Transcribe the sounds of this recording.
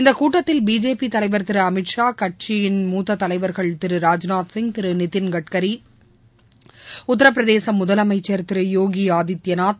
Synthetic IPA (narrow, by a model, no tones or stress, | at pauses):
ɪnd̪ɐkuːʈːɐt̪ːɪlbiːd͡ʒeːpit̪ɐlɐɪʋɐɾt̪ɪɾɯɐmɪʈʂaːkɐʈ̚t͡ʃijɪnmuːt̪ːɐt̪ːɐlɐɪʋɐɾɣɐɭt̪ɪɾɯɾaːd͡ʒnaːt̪sɪŋɡt̪ɪɾɯnɪt̪ːɪnɡɐʈkɐɾi | ʊt̪ːɐɾɐp̬ːɪɾɐðeːsɐmʊðɐlɐmɐɪt͡ʃːɐɾt̪ɪɾɯjoːɡiaːðɪt̪jɐnaːt̪̚